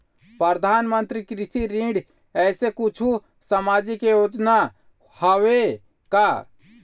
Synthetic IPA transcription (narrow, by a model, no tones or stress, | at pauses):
pɾəɾd̪ʱanmənt̪ɾikɾisiɾĩɖ | ɛːsekut͡ʃʰu | səmad͡ʒikejod͡ʒna | həwe | ka